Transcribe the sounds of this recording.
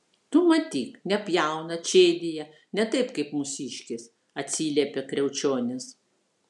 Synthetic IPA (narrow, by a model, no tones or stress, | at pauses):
t̪ʊmɐt̪ʲiːknʲɛpʲjæˑʊnɐt͡ʃʲeːd̪ʲɪjɛ | nʲɛt̪ɐɪpkɐɪpmʊsʲiːʃʲkʲɪs | ɐt̪ʲsʲiːlʲɛːpʲekɾʲɛʊt͡ʃʲoːnʲɪs